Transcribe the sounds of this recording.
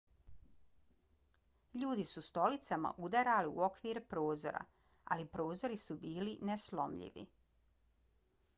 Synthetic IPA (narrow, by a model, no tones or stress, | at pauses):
ʎuːd̪isust̪o̞lit̪sama̰ʔud̪aɾaliṵo̞kʋiːɾpɾo̞ːzo̞̰ɾa̰ | a̰lipɾo̞ːzo̞ɾisubiːlineslo̞̰mʎḭʋḭ